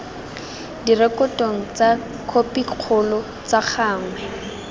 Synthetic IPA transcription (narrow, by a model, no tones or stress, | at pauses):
dirɛkɔtʼoŋ̩t͡sa | kʰopiq͡χʰʊlɔ | t͡saχaːŋ̩wɛ